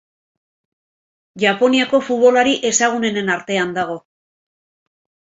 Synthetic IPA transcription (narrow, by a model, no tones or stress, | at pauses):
ʝapo̞niako̞fut̪βo̞laɾiʔe̞saɣ̞une̞ne̞naɾt̪e̞and̪aɣ̞o̞